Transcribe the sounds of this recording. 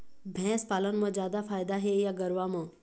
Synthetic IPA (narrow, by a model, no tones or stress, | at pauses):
bʱɛ̃ːspaːlənmə̃d͡ʒjaːd̪afaːjd̪aɦejaɡəɾʋamə̃